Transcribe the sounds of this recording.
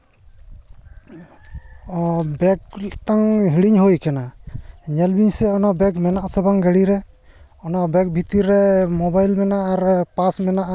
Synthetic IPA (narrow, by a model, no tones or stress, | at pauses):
bɛk̚ʈaŋɦiɽiɲɦojkanaɲɛlbiɲsɛɔnɔbɛkmɛnaʔsəbaŋɡəɽiɾɛ | ɔnabɛk̚bʱit̪iɾɛmɔbajlmɛnaʔaɾpasmɛnaʔ